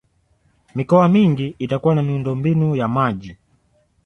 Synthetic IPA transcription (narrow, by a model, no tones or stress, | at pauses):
mikɔwamiŋɡiːtakuwanamiundɔmbinujamaʄi